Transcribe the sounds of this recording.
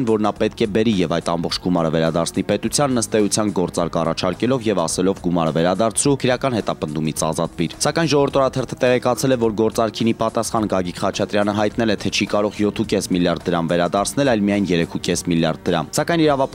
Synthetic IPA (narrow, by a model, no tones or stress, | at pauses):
nvɔɾnɑpɛt̪̚kʰɛbɛɾijɛvɑjt̪ɑmbɔχt͡ʃʰɡumɑɾəvɛɾɑd̪ɑɾt͡sʰnipɛt̪ut͡sʰjɑnːəst̪ɛjut͡sʰjɑnɡɔɾt͡sɑɾkɑ̰rɑt͡ʃʰɑɾkɛlɔvjɛvɑsɛlɔvɡumɑɾəvɛɾɑd̪ɑɾt͡sʰɾukʰəɾjɑkɑn̪hɛt̪ɑpənd̪umit͡sʰɑ̰zɑt̪viɾsɑkɑjnʒɔvəɾt̪ʰɔɾɑt̪ʰɛrt̪ʰə̥t̪ɛʁɛkɑt͡sʰɛlɛvɔɾɡɔɾt͡sɑɾkʰinipɑt̪ɑsχɑnɡɑɡik̪χɑt͡ʃʰɑt̪ɾjɑnəɦɑjt̪nɛlɛt̪ʰɛt͡ʃʰikɑɾɔʁjɔt̪ʰukɛsmiljɑɾd̪̚ːəɾɑmvɛɾɑd̪ɑɾt͡sʰnɛlɑjlmijɑjnjɛɾɛkʰukɛsmiljɑrd̪̚ːəɾɑ̰msɑkɑjniɾɑvɑp